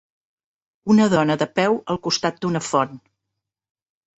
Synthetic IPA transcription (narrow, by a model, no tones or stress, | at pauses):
unəðɔnəðəpɛwəlˠkust̪at̪̚d̪unəfɔn